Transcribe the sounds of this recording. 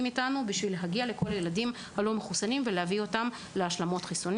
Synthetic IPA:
mitanubiʃvileɦaɡiale̞ko̞lajeladim | halo̞meχusanimvelehavio̞tam | leaʃlamo̞tχiso̞n

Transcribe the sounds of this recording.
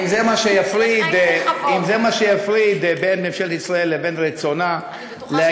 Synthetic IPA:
mzemaʃejafʁid̪imzemaʃejafʁid̪benmemʃelt̪isʁae̞lːebenʁet͡so̞na | lea

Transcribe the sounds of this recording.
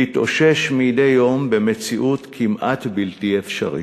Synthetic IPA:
itʔo̞̰ʃeʃmijdejo̞mbemet͡siʔut̪kʰimʔat̪biltiefʃa̰ʁḭ

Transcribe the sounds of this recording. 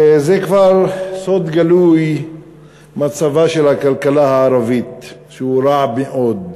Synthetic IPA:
zekvaʁsod̪ɡaluj | mat͡savaʃelhakalkalahaaɾavit̪ʃeuɾaʕbmeʔod̪

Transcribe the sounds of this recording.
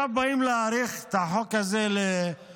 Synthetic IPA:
abaimleaɾiχt̪aħokazele

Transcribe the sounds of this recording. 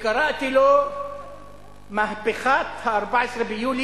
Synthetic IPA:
kɑɾˤɑʔt̪ilo | mahbɪxaːt̪haʔɑɾˤbaʕɪsɾˤbɪjuːl

